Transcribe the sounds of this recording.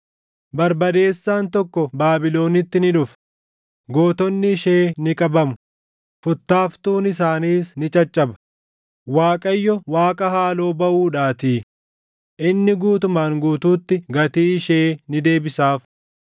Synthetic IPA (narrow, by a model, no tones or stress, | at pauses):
bɐɾbɐd̪e̞ːsːaːnt̪ɔkːɔbaːbɪlo̞ːnɪt̪ːɪnɪᶑʊf | ɡo̞ːt̪ɔnːɪʃeːnɪkʼɐbɐmʊ | fʊt̪ːaːft̪uːnɪsaːniːsnɪt͡ʃʼɐt͡ʃʼːɐbɐ̥ | waːkʼɐjːɔwaːkʼɐhaːlo̞ːbɐʔuːᶑaːt̪iː | ʔɪnːɪɡuːt̪ʊmaːŋɡuːt̪uːt̪ːɪɡɐt̪iːɪʃeːnɪd̪e̞ːbɪsaːf